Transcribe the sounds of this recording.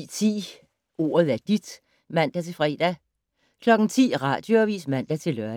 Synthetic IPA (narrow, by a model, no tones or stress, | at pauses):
t͡sʰḭː | o̝̰ːɐð̞ˠæɐd̥id̥ | mæn̰d̥æt͡sʰe̝fʁɛ̰ːd̥æ | kʰlɒ̽ɡ̥n̩t͡sʰḭːʁɑ̰̈d̥joʋḭːsmæn̰d̥æt͡sʰe̝lœɐ